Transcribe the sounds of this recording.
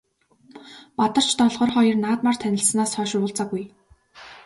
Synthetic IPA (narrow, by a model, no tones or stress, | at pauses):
pat̪ə̆r̥t͡ɕʰt̪ɔɮʁɞ̆rχɔjɞ̆rnaːt̪mar̥t̪ʰænʲɪ̆ɮsnaːsχœːʃrʊːɮt͡saɡuj